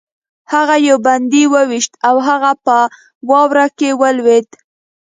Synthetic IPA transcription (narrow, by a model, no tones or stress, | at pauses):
haɣajowband̪iwəwiʃt̪awɦaɣapə | wɑwɾakewəlwet̪